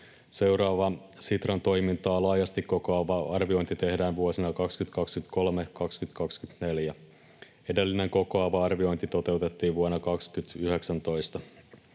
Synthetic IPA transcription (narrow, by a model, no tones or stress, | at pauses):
se̞wɾɑːʋɑ | sit̪rɑnt̪o̞jmint̪ɑːlɑːjɑst̪ikkːo̞koɑʋɑʔɑrʋio̞jnt̪it̪e̞hdæːnʋuosinɑkɑkskyt̪kɑkskyt̪ko̞lme̞kɑkskyt̪kɑkskyt̪ne̞ljæ | e̞de̞lːine̞ŋko̞koɑʋɑɑrʋio̞jnt̪it̪o̞t̪e̞wt̪e̞t̪ːiːʋʋuonːɑkɑkskyt̪yɦeksænt̪o̞jst̪ɑ